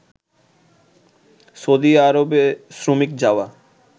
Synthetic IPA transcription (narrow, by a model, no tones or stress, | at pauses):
sod̪iaɾobesɾomikd͡ʑaoa